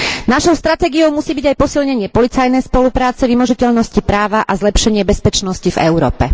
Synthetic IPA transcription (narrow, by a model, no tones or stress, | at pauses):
naʃɔʊst̪ɾat̪ɛːɡiɔʊmusiːbiɟajpɔsilɲɛɲɪɛpɔlit͡sajnɛjspɔlupɾaːt͡sɛʋimɔʒicɛʎnɔscipɾaːʋaʔazlɛpʃɛɲɪɛbɛspɛt͡ʃnɔscivɛ̰ʊɾɔ̰ːpɛ̰